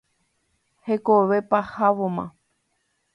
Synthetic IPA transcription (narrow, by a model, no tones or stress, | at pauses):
hekoβe̞pahaʋomã̰